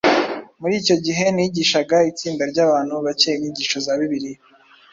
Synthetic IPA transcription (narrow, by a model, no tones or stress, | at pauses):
muɾiːco̞ɟiɦe̞niːɟiːʃaɡait͡siːndaɾɟaːβaːnhuβacejiniɟiːʃozaβiβiɾi